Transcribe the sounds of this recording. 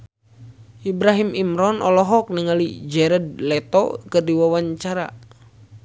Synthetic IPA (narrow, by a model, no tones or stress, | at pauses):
ʔibɾaɦimimɾɔnʔɔlɔɦɔk̚niŋalid͡ʒɛɾɛd̚lɛt̪ɔ̰kɨrdiwawaɲt͡ʃaɾa̰